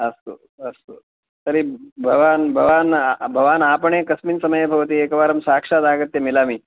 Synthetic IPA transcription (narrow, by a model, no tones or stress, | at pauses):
ɐst̪o | ɐst̪o | t̪əɾibʱɐʋaːnbʱɐʋaːnbʱɐʋaːnapəɳẽkəsmiːnsɐməjebʱɐʋət̪̬iːeːkəʋaːɾəmsakʂad̪aːɡət̪jemilaːmiː